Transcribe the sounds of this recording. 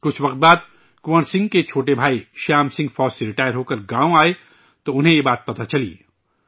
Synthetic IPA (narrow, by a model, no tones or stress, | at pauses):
kʊt͡ʃʰʋɐqt̪̚baːd̪ | kʊʋənsɪ̃ŋɡket͡ʃʰoːʈebʱaːiʃaːmsɪ̃ŋɡfɔːd͡ʒseɾɪʈaːjəɾɦoːkɐɾɡãːõaːe | t̪oʊnɦẽjebaːt̪̚pɐt̪at͡ʃɐlḭː